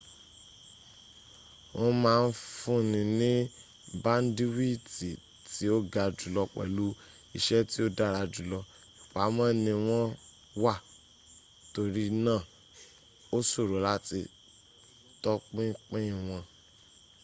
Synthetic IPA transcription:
wɔ̃˧mãː˦˧n̩˦fũ˦nĩ˧nĩ˦ | ba˦n̩˦di˦wi˦ti˨ | ti˨˦o˦ɡa˧d͡ʒu˨lɔ˧k͡pɛ̰˨lu˦ | i˧ʃɛ˦ti˦o˦da˦˨ɾa˨˧d͡ʒu˨lɔ˧ | i˨k͡pa˨˦mã˦nĩ˧w̃ɔ̃˦ | wa˦˨ | to˧ɾi˦nãː˦˨ | o˦so˦˨ɾo˨˦la˦ti˧ | tɔ˦k͡pĩ˦k͡pĩ˦ĩ˨w̃ɔ̃˧

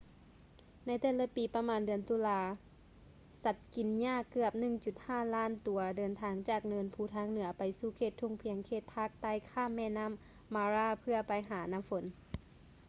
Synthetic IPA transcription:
na˧˥jt̪ɛː˧˩la˧˦piː˨˦pa˧maː˧˦ndɯ˨˩ənt̪u˧˦laː˧˦ | sa˧˩t̪̚ki˨˩nɲaː˧˥˩kɯ˧˩əp̚nɯ˧˩ŋt͡ɕu˨˩t̪̚haː˧˥˩laː˥˨nt̪u˨˩˦ɐdɤː˨nt̪ʰaː˧ŋt͡ɕaː˧˨˩k̚nɤː˧˥npʰuː˧˩t̪ʰaː˧˥˨ŋnɯ˩˦ɐpa˨jsuː˧˩kʰeː˧˩t̪ʰːu˧˩ŋpʰi˨˦əŋkʰeː˧˩t̪̚pʰaː˧˩k̚t̪a˧˥˨jkʰaː˧˥˨mːɛː˧˨na˧˥˨mː | aː˧ɾaː˧˩pʰɯ˧ɐpa˨jɦaː˩˦na˧˥˨mfo˨˦n

